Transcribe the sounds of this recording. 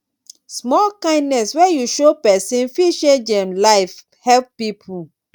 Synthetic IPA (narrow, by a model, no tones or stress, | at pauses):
smɔlkãɪ̃ndnɛswɛjuʃopɛsĩnfiʃed͡ʒɛ̃mlaɪf | hɛlp̚ːipʰu